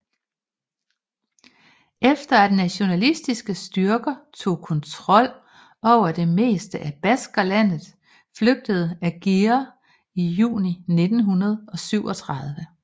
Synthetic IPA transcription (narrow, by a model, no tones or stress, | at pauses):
efd̥ɐæd̥næɕo̝nælisd̥isɡ̥əsd̥yɐɡ̥ɐt͡sʰo̝̰ːkʰɒ̽nt͡sʰʁɒ̽l̰ | ɒʊ̰ɐd̥e̝me̝̰ːsd̥əʔæb̥æsɡ̥ɐlæn̰ð̩ˠ | fløɡ̥̚d̥əð̞̩ˠæɡ̥iɐ | ijṵːnine̝d̥n̩ɦunɐð̞̩ˠɒ̽syʊ̰ɒ̽t͡sʰʁɑ̈ð̞ˠʋə